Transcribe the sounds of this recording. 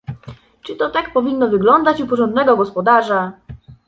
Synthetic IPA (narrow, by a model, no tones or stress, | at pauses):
t͡ʂɘt̪ɔt̪akpɔvʲinːɔvɘɡlɔnd̪at͡ɕupɔʐɔnd̪nɛɡɔɡɔspɔd̪aʐa